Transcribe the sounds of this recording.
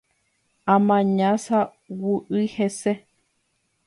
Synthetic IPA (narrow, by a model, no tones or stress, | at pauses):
ãmãɲãsa | wuʔɨhese